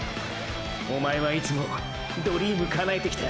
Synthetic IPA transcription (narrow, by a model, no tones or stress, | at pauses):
o̞mae̞βait͡sɨmo̞ | d̪o̞ɾʲimɯ̟kʰanaet̪e̞kʲi̥t̪a